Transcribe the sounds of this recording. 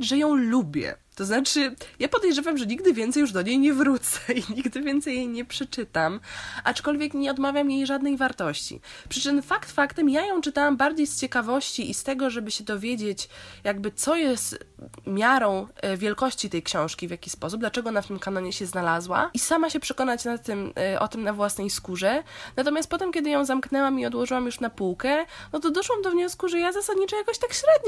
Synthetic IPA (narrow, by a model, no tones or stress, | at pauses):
ʐɛjɔ̃w̃lubʲjɛ̰t̪ɔznat͡ʂɘjapɔd̪ɛjʐɛvamʐɛɲiɡ̚d̪ɘvʲɛnt̪sɛjuʐd̪ɔɲejɲɛvɾut̪sɛiɲiɡd̪ɘvʲjɛnt̪sɛjːejɲɛpʂɛt͡ʂɘt̪amʔat͡ʂkɔlvʲjɛkɲɛɔd̪mavʲjamjejʐad̪nɛjvaɾt̪ɔɕt͡ɕḭpʂɘt͡ʂɘmfakt̪fakt̪ɛmjajɔ̃w̃t͡ʂɘt̪awambaɾd͡ʑejst͡ɕɛkavɔɕt͡ɕiʔist̪ɛɡɔʐɛbɘɕɛd̪ɔvʲjed͡ʑet͡ɕjaɡbɘt̪sɔjɛst̪mʲjaɾɔ̃w̃vʲjɛlkɔɕt͡ɕit̪ɛjkɕɔ̃w̃ʂkʲivʲjakʲispɔsub̚d̪lat͡ʂɛɡɔɔnaft̪ɘmkanɔɲɛɕɛznalazwa̰isamaɕɛpʂɛkɔnat͡ɕnat̪ːɘmʔɔ̰t̪ɘmnavwasnɛjskuʐɛnat̪ɔmʲjast̪̚pɔt̪ɛmkʲɛd̪ɘjɔ̃w̃zamknɛwamiɔd̪wɔʐɘwamjuʂnapuwkɛnɔt̪ɔd̪ɔʂwamd̪ɔvɲɔskuʐɛjazasad̪ɲit͡ʂɛjakɔɕt̪akɕɾɛd̪ɲ